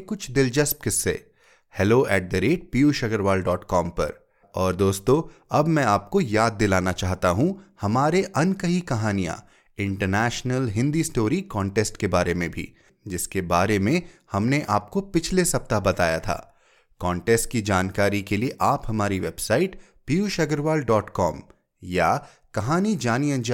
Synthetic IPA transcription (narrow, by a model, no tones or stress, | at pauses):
kʊt͡ʃʰd̪ɪld͡ʒɐsp̚kɪsːḛ | hɛloːɛːʈ̚d̪əɾeːʈ̚piːuʃɐɡəɾʋaːlɖɔːʈkɔːmpɐ̰ɾ | ɔːɾd̪oːst̪õɐbmɛ̃aːp̚kojaːd̪ːɪlaːnat͡ʃaːɦt̪aɦũhɐmaːɾeʔɐnkɐɦikɐɦaːnijã̰ | ɪ̃ɳʈəɾnɛːʃnəlɦɪ̃nd̪isʈoːɾikɔ̃ːɳʈeːsʈkebaːɾemẽbʱḭ | d͡ʒɪskebaːɾemẽhɐmneʔaːp̚kopɪt͡ʃʰlesɐp̚t̪abɐt̪a̰ːjat̪ʰa̰ː | kɔ̃ːɳʈeːsʈ̚kid͡ʒaːnkaːɾikelieʔaːphɐmaːɾiʋeːbsaːɪʈ | piuʃɐɡəɾʋaːlɖɔːʈkɔːm | ja | kɐɦaːnid͡ʒaːniɐ̃nd͡ʒ